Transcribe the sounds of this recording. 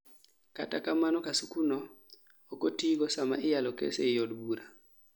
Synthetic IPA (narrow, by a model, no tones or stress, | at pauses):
ka̰takamanɔkasukunɔː | kotiɡɔsama̰ʔɪjalɔkḛsejodbuɾa